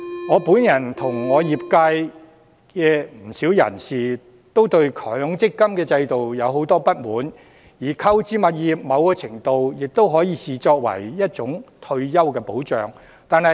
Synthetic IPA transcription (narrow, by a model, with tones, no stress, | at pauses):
ŋɔː˨˧puː˨˥njɐ˨˩nt̪ʰʊ˨˩ŋːɔː˨˧jiː˨p̚ka˧j | kɛː˧m̩˨˩si˨˥wjɐ̰˨˩nsiː˨ | t̪o˥wt̪ɵ˧ɥkʰœː˨˥˨ŋt͡sɪ˥kːɐ˥mkɛː˧t͡sɐ˧jt̪o˨wjɐ˨˧wɦo˨˥wt̪ɔː˥pɐ˥t̚muː˨˥n | jiː˨˩kʰɐ˥wt͡siː˨˥mɐ˨t̚jiː˨p̚mɐ˨˧wkɔː˧t͡sʰɪ˨˩ŋt̪o˧wjɪ˨k̚t̪o˥wɦɔː˨˥jiː˨˧siː˨t͡sɔː˧k̚wɐ̰˨˩jjɐ˥t̚t͡ʃʊ˨˥ŋt̪ʰɵ˧ɥjɐ˥wkɛː˧po˨˥wt͡ʃœː˨˩ŋ | t̪aː˨nhɐ˨